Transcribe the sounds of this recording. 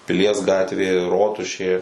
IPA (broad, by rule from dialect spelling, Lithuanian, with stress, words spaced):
pʲɪˈlʲiɛs ˈɡɑːtʲʋʲeː ˈroːtʊʃʲeː